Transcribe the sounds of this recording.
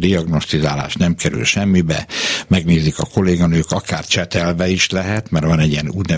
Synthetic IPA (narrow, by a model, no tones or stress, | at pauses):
d̪iɒɡno̞st̪izaːla̰ːʃt̪nɛmkɛɾy̰lʃɛmːibɛ̰mɛɡneːzikɒko̞leːɡɒnøːkɒkaːrt͡ʃɛt̪ɛlvɛiʃlɛɦɛt̪mɛrvɒnɛɟiɛnuːt̪nɛ